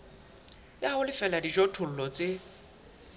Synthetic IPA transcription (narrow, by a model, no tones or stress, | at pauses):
jaʊlɪfɛladiʒotʰʊl̩lɔt͡sʼe